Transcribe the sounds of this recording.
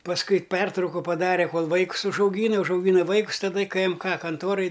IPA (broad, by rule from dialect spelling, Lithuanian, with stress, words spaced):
pɐsˈkʊɪ ˈpʲɛrtrɐʊkʊ pɐˈdɑːrʲɛ ˈkoːlˠ ʋɐɪkʊs ʊʒɐʊˈɡʲiːnɐ ʊʒɐʊˈɡʲiːnɐ ˈʋɐɪkʊs tɐˈdɐ ɪ kɘ ˈɛm ˈkɐ kɐnˈtoːrɐj